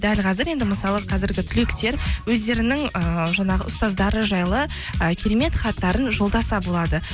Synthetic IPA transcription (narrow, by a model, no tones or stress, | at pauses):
d̪ælqʰɑzɪɾe̞nd̪ɪməsɑlˠəqʰɑzɪɾɡʲɪt̪ʰʏlekt̪e̞ɾwɵzd̪e̞ɾɪnɪŋəʒɑɴɑʁə̰ʊst̪ɑzd̪ɑɾəʒɑjlˠə | əkʲʰeɾeme̞t̪χɑt̪ːɑɾənʒo̞lˠd̪ɑsɑbolˠɑd̪ə